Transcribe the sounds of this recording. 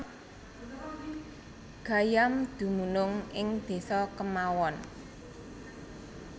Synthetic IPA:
ɡ̥a̤jamd̪̥ṳmunʊŋʔɪŋd̪̥e̤sɔkəmawɔn

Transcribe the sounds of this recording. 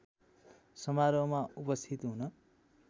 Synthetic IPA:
sʌmaɾʌmaupʌst̪ʰit̪ɦunʌ

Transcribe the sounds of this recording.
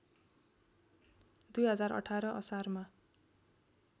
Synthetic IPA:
d̪ujɦʌd͡zarʌ̰ʈʰaɾʌʔʌ̰sarma

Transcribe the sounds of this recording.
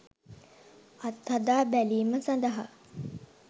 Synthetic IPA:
at̪ːhɐd̪aːbæliːməsand̪əɦa

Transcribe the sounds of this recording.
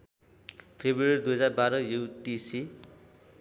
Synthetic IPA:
pʰebruerid̪ujɦʌd͡zarbaɾʌjuwt̪isi

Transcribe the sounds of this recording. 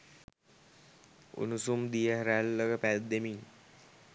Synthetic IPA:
ṵnusumd̪ijəɦəɾælːəkəpæd̪ːemiŋ

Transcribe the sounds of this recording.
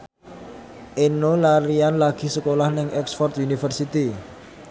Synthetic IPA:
ʔenolaɾianlaɡ̥i̤səkolahnɪŋɛksfɔrt̪unifərsit̪i

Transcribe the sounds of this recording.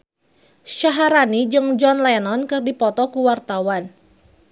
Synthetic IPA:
ʃaɦaɾanid͡ʒɨŋd͡ʒɔnlɛnɔnkɨrdipɔt̪ɔkuwart̪awan

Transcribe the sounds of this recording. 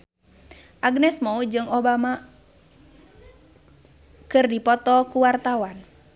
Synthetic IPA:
ʔaɡnɛsmɔud͡ʒɨŋɔbama | kɨrdipɔt̪ɔkuwart̪awan

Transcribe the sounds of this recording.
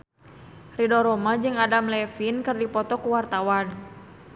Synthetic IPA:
ridɔɾɔmad͡ʒɨŋadamlɛfinkɨrdipɔt̪ɔkuwart̪awan

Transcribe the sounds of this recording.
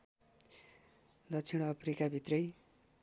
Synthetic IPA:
d̪ʌtt͡sʰiɽ̃ʌpʰrikabʱit̪rʌj

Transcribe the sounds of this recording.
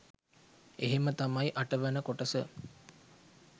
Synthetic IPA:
eɦemət̪amajiʔaʈəʋænəkoʈəsə

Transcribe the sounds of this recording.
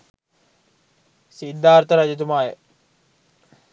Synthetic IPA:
sid̪ʱːaːɾt̪əɾɐd͡ʒɐt̪̬umaːje

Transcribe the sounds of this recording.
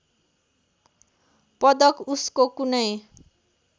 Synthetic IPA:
pʌd̪ʌkuskokunʌj

